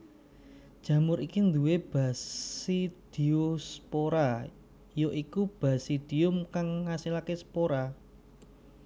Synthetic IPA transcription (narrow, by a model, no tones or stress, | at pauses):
d̥ʒ̥ä̤mʊɾikind̪uweb̥a̤sid̪̥iospoɾa | joʔikub̥a̤sid̪̥i̤ʊmkaŋːasilakesə̥poɾa